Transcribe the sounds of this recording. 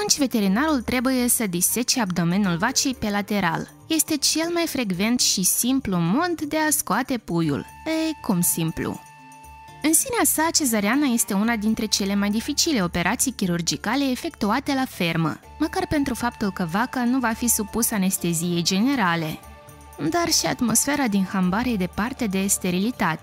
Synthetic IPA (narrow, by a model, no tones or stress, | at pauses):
at̪unt͡ʃʲve̞t̪e̞ɾinaɾult̪ɾe̞buje̞səd̪ise̞t͡ʃeabd̪o̞me̞njulvat͡ʃejpe̞lat̪e̞ɾa̰l | je̞st̪e̞t͡ʃe̞lmajfɾe̞ɡve̞nt̪ʃisimplumo̞d̪ːe̞askoat̪e̞pujṵl | ekumsimplṵ | ɨnsineasat͡ʃe̞zaɾeanaje̞st̪e̞unad̪int̪ɾe̞t͡ʃe̞le̞majd̪ifit͡ʃile̞o̞pe̞ɾʔat̪sijkʲiɾurd͡ʒikale̞ːfe̞kt̪uat̪e̞lafe̞rmə̰ | məkarpe̞nt̪ɾufap̚t̪ulkəvakanuvafisupusane̞st̪e̞zije̞jd͡ʒe̞ne̞ɾale̞ | d̪arʃia̰t̪mo̞sfe̞ɾad̪inxambaɾed̪e̞part̪e̞d̪e̞st̪e̞ɾilit̪at̪e